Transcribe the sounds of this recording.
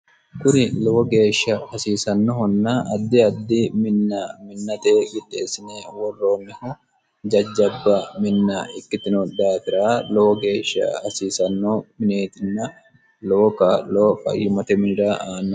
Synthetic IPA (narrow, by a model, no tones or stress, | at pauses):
kʊnɪlowɔɡe̞ːʃːɐhɐsiːsɐnːɔhɔnːaːʔɐd̪ːɪɐd̪ːimɪnːamɪnːɐt̪eːɡɪd̪e̞ːsːɪneːwɔrːo̞ːnːɪhʊ | d͡ʒɐd͡ʒːɐbːɐmɪnːaɪkːɪt̪ɪnɔd̪aːt̪ɪɾaːloːɔɡe̞ːʃːɐ̰hɐsiːsɐnːoːmɪneːt̪ɪnːɐ | loːkalo̞ːkɐ̰jɪmɐt̪ɛmɪnɪɾaːʔaːnːɐ